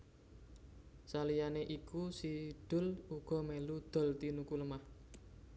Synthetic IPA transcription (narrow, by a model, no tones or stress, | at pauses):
salijaneʔikusid̥ʊ̤luɡ̥ɔ̤melud̪̥ɔ̤lt̪inukuləmah